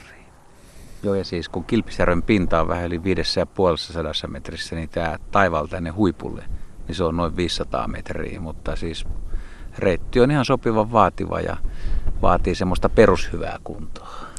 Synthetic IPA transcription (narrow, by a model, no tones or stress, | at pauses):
ri̥ː | joːjɑsiːskuŋkilpi̥særʋempint̪ɑːʋʋæ̰hæoliʋiːdesːæjɑpuolesːɑsɑdɑsːɑmet̪risːænit̪æːt̪ɑiʋɑlt̪ænːehuipṵlːḛniseonnoiʋʋiːsːɑt̪ɑ̰ːmḛt̪rḭːmut̪ːɑsiːs | reˑit̪ːionihɑnsopiʋɑʋʋɑːt̪iʋɑ̰jɑ̰ʋɑ̰ːt̪iːsemːost̪ɑperushyʋæ̰ːkunt̪o̥ɑ̥